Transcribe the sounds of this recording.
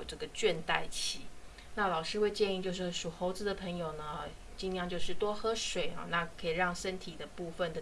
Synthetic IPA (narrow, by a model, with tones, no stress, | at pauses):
ʈ͡ʂɤ˥˩ɡə˩t͡ɕɥɛ˥˧nt̪a˥˩ɪt͡ɕʰi˧˥˦ | na˥˩lɑ˨˩ʊʂɻ̩˥xwe˥˧ɪt͡ɕjɛ˥˧ni˥˧t͡ɕjo˥˧ʊʂ̬ɻ̩˥˩ʂu˨˩xo˧˥ʊt͡sɹ̩˧˥d̪ə˨˩pʰə˧˥ŋjo˨˩ʊnə˦ | t͡ɕi˥nljɑ˥˧ŋt͡ɕjo˥˧ʊʂɻ̩˥˩t̪wɔ˥xɤ˥ʂwe˨˩ɪɐ̰˦na˥˩kʰɤ˧˥i˨˩ɻɑ˥˩ŋʂə˥nt̪ʰi˨˩d̪ə˦pu˥˧fə˨nd̪ə˩